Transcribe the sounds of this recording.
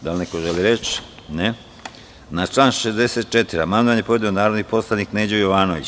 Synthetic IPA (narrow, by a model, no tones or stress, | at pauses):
d̪alnekoʒeliɾet͡ɕ | ne | nat͡ʃlˠaːnʃezd̪eset̪̚t͡ʃet̪iɾamand̪oʋanɲjepoʋed̪ionaːɾod̪nipo̞slˠanikned͡ʑejoʋaːno̞ʋḭt͡ɕ